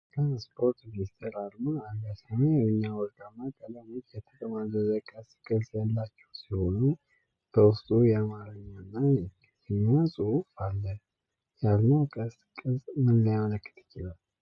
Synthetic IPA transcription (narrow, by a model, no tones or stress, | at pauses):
kʰaspʰo̞ɾt̪minist̪ʰeɾalmaalɡasameɨɲːawɔɾd̪amːakʼələmit̪jɛt̪ʰɨkʼmazəzəkʼəskʼɨzjalːat͡ʃːɛ̥wsiho̞nu | b̥əwʊst̪ʼujɛamaɾəɲːanːa | zɛɲasʼuufalːə | jalnəwkʼəs | kʼɨzʼmɨnːəjamələkːɨ̥t̪ʰɪ̥t͡ʃːɪlal